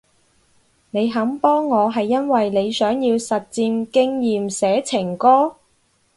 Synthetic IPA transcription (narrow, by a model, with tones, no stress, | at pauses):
ne˨˧jɦɐ˨˥mpɔː˥ŋːɔː˨˧ɦɐ˨jːɐ˥nwɐ˨jne˨˧jsœː˨˥ŋjiː˧wsɐ˨t̚t͡siː˧mkɪ˥ŋjiː˨msɛː˨˥t͡sʰɪ˨˩ŋkɔː˥